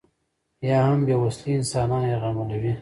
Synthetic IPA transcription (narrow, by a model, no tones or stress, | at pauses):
jɑhambjawasliɪnsɑːnɑːnjeɣamalawi